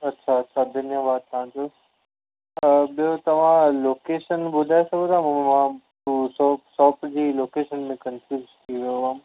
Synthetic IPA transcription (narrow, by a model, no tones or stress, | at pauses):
ɐtːɕʰaɐtːɕʰad̪ʱɪnjəʋaːd̪t̪ɐʋ̤ãd͡ʑoː | ɓijot̪ɐʋ̤ãloːkeːʃənbʊd̪ʱajsãbʊd̪ʱaːmmãtusɔːsɔːpd͡ʑiːloːkeːʃənmẽkɐ̃nfuːst̪ʰiʋijoɦaːm